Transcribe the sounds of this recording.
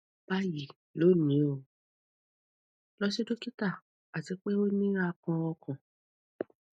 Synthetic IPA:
b̥a˦ji˨ | lo˨˦˨nĩ˨˦o˨ | lɔ˦si˦do˦ki˦ta˦˨ | a˨ti˨˧˦k͡pe˦o˦nĩ˦a˧kɔ̃˧ɔ˧kɔ̃˨

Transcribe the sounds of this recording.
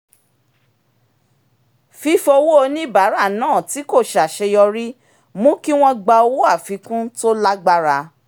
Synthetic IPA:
fi˧˦fo˧wo˦o˧nĩ˦i˦˨ba˨˦ɾa˦˨nãː˦˨ti˨˦ko˦˨ʃa˨ʃɛ˧jɔ˧ɾi˦ | mũ˦ki˦w̃ɔ̃˧ɡ͡ba˧o˧wo˦a˦˨fi˨˦kũ˦to˦la˦ɡ͡ba˦ɾa˧

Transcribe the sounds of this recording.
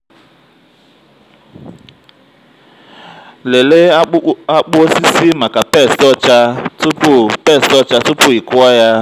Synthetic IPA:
le˨le˦a˦k͡po˦si˦si˦ma˨ka˨pɛ˦˨sɔ˦t͡ʃa˦tu˦pu˦pɛ˦˨si˦ɔ˦t͡ʃa˦tu˦pu˦ɦi˨kwa˦ja˦

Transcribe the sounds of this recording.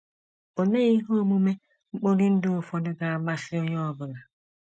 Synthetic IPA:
o˨ne˦i˦ɦo˦˨mu˦me˦ | ŋ͡m̩˦k͡po˦ɾi˦n̩˦dɪ˦o˨fɔ˨dɪ˦ɡa˨ma˦sɪ˦o˦ɲɔ˦˨bʊ˨na˨

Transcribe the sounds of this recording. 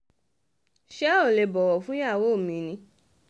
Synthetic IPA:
ʃɛ˦o˦˨le˨bɔ˨wɔ˨fũ˦ja˦˨wo˦˨mĩ˨˦nĩ˧˦

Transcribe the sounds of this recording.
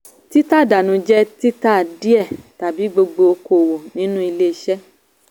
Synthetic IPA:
ti˦ta˦˨da˨nũ˨˧d͡ʒɛ˦ti˦ta˦˨di˦ɛ˦˨ta˨bi˨˦ɡ͡bo˧ɡ͡bo˧o˧ko˨wo˨nĩ˨˦nũ˦i˧le˦i˧ʃɛ˦

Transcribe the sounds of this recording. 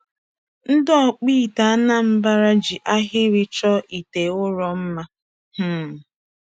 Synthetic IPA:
n̩˦dɔ˦˨k͡pi˦˨ta˨a˦na˦m̩˦ba˦ɾa˦d͡ʒi˨ʔa˦ɦɪ˦ɾɪ˦t͡ʃɔ˦ʔi˨te˨ʊ˦ɾɔ˦m̩˦ma˦ | h̩˦˨

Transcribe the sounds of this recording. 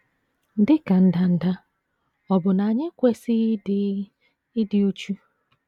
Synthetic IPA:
n̩˦dɪ˦ka˨n̩˨da˨n̩˨da˦ | ɔ˨bʊ˨na˨ɲɪ˦kʷe˦sɪ˦ | ɪ˦dɪ˨u˦t͡ʃu˦

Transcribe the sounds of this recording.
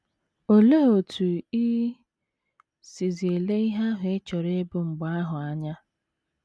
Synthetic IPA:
o˨le˦o˨tʰu˨i˦ | si˨zi˨e˨le˦i˦ɦa˦ɦʊ˨e˦t͡ʃɔ˨ɾe˦bʊ˨ŋ͡m̩˨ɡ͡ba˦a˦ɦʊ˨a˨ɲa˦

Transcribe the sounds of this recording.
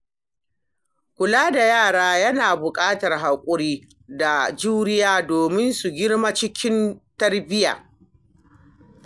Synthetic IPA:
kʷʊ˨laː˦da˨jaː˦˨ɽaː˦jɐ˦naː˨bʊ˨kʼaː˦tɐ˨rɦa˨kʷʼʊ˦ɽiː˦ | da˨d͡ʒuː˦ɾɪ˦jaː˦doː˨mɪ˦nsu˨ɡʲɪ˦ɽma˦t͡ʃɪ˦kʲɪ˦ntɐ˦rbɪ˦ja̰ː˨

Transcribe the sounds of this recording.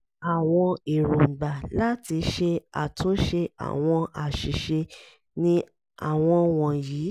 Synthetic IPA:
a˨w̃ɔ̃˧i˨ɾo˨n̩˨ɡ͡ba˨la˦ti˧ʃe˧a̰˨tũ˨˦ʃe˧a̰˨w̃ɔ̃˧a˨ʃi˨ʃe˧ | nĩ˦ | a̰˦˨w̃ɔ̃˧w̃ɔ̃˨jiː˨˦

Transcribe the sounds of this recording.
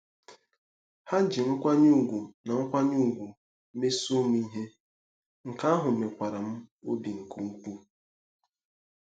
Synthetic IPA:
ha˦d͡ʒɪ˨ŋ̩˦kʷa˦ɲu˦˨ɡʷu˨na˨ŋ̩˦kʷa˦ɲu˦˨ɡʷu˨˦ | me˦so˦m˦i˦ɦe˦ | ŋ̩˨ka˦ɦʊ˨me˨kʷa˨ɾa˨m̩˦o˦bi˨ŋ̩˨ku˦ŋ̩˦k͡pu˦

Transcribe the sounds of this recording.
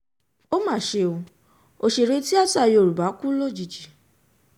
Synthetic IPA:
o˦mã˦˨ʃe˧o˧ | o˨ʃe˨ɾe˧˦ti˦a˦˨ta˦˨jo˨ɾu˨ba˨˦ku˦lo˦d͡ʒi˨d͡ʒi˨

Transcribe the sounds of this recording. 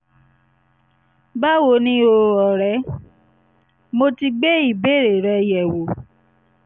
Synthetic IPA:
ba˦wo˧˦nĩ˦o˧ɔ˨ɾɛ˨˦ | mo˧ti˧ɡ͡be˦i˦˨be˦˨ɾe˨ɾɛ˧˦jɛ˨wo˨

